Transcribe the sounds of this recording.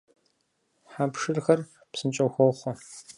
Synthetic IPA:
ħaːpʂɨrxɐr | psɨnt͡ʃʼɐwxʷɔwχʷɔ

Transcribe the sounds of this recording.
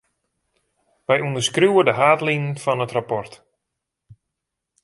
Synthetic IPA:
ʋɛjundəskruwədəɦaːtlinən̩fɔnətrapɔrt

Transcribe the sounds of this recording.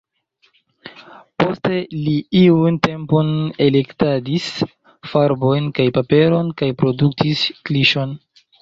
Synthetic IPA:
po̞ste̞liiunte̞mpo̞nele̞ktadis | faɾbo̞jnkajpape̞ɾo̞nkajpɾo̞duk̚tʰiskliʃo̞n

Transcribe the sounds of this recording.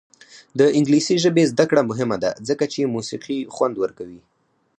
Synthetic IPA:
d̪əɪŋɡlisiʒəbezd̪akɽamʊɦɪmad̪a̰zəkat͡ʃemusiqixwand̪wəɾkawi

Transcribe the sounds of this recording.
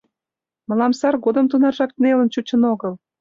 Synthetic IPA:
mə̆lɑmsɑrɡod̪ə̆mt̪unɑrʒɑk̚t̪nelənt͡ɕut͡ɕə̆noɣəl

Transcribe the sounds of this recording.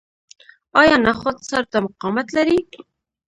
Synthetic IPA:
ɑjɑnaχʊd̪saɾt̪amʊqɑmat̪laɾi

